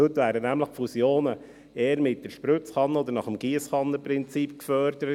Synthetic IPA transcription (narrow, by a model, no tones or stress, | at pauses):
øt̪væːɾənæmləχfusjoːnə | eːəɾmɪt̚dɛɾʃpɾʉt͡sχɑnːəɔd̪əɾnɑχəmɡ̥iəsχɑnːəpɾɪnt͡siːpkfœɾd̥əɾə